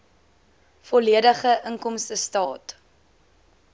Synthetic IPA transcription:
fɔliədəχəʔəŋkɔmstəstɑːt

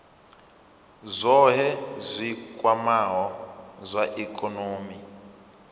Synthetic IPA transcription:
zʷɔɦɛzʷikʼwamaɦɔzʷaʔikʼɔnoːmi

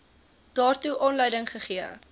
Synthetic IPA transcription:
d̥ɑːrtuʔɑːnləjdəŋχəχiə

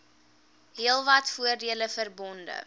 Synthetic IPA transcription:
ɦiəlˠvɐtfuərdiələfərbɔndə̰

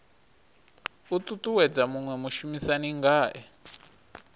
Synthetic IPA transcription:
ut̪ʼut̪ʼuwɛd͡zamuŋwɛmuʃumisaniŋɡaːʔɛ

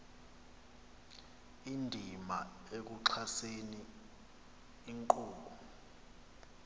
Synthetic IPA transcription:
indʱima | ek̬uǃʰaseni | ŋkuːɓu

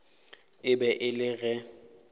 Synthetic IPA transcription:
ɪbɛʔɪlɪɣɛ

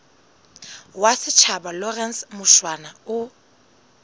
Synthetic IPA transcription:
wasɪt͡ʃʰabalɔrɛnsmʊʃwanaʊ

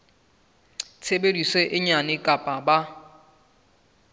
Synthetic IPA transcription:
t͡sʰebediseʔɪɲanɪkʼapʼaba

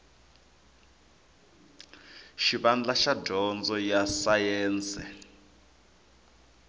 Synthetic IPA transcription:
ʃiβand͡ɮaʃadʱɔnd͡zɔjasajɛːnt͡sʼɛ̰

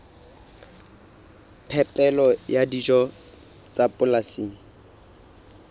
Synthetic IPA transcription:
pʰɛpʼɛlɔjadid͡ʒɔ | t͡sʼapʊlasiːŋ̩

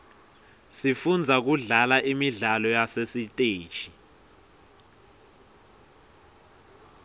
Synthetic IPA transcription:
sifund͡zʱak̬uɮalaʔimiɮalɔjasesitʼeːd̥ʒ̥ʼʱi

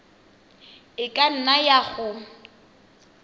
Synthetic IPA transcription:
ɪkʼan̩najaɣʊ

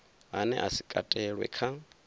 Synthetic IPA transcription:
ɦanɛ̰ʔasikʼatʼɛɺwɛ̰kʰa

